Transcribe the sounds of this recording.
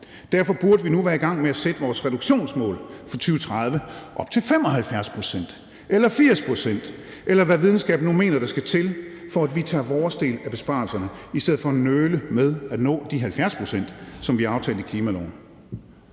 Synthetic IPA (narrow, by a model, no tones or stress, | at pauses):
d̥æɐfɒ̽b̥uɐd̥əʋinuʋæɐiɡ̥ɑ̈ŋ̰meæsed̥əʋɒːsʁɛɾ̥uɡ̥ɕo̝̰ːnsmɔ̰̽ːlfɒt͡sʰyːʊət͡sʰʁɑð̞ˠʋəʔɒ̽b̥̚t͡sʰe̝lfemɒ̽ɦælfjæɐspʰʁo̝sen̰d̥ | elɐfiɐ̰spʰʁo̝sen̰d̥ | ʔelɐʋæʋið̞ˠn̩sɡ̥ɛ̰ːb̥nume̝̰ːnɐɾ̥ɑ̈sɡ̥æt͡sʰe̝lfɒ̽æd̥ʋit͡sʰɑ̰̈ːʋɒːsd̥e̝̰ːlæb̥e̝sb̥ɑ̰̈ːlsɐnəisd̥eð̰̩ˠfɒ̽ænøːləmeðˠæd̥nɔ̰̽ːd̥iɦælfjæɐspʰʁo̝sen̰d̥sɒ̽mʋiɑ̈ʊt͡sʰɛ̰ːld̩ˠikʰliːmælɒ̰ʊn̩